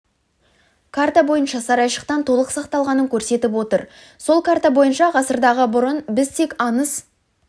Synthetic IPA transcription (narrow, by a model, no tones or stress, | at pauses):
kʰart̪abo̞jənʃɑsɑɾɑjʃə̥qt̪ɑnt̪ʰo̞lˠəqsɑqt̪ɑlˠʁɑnəŋkʲʰɵɾse̞t̪ɪp̬wo̞t̪əɾ | so̞lˠkʰart̪abo̞jənʃɑʁɑsəɾd̪ɑʁəbʊɾənbɪzt̪ʰe̞kʲɑnəs